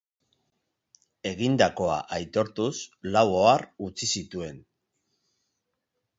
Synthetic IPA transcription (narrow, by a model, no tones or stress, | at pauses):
e̞ɣind̪ako̞a̰ʔajt̪o̞ɾt̪uslawoarut͡sisit̪ue̞n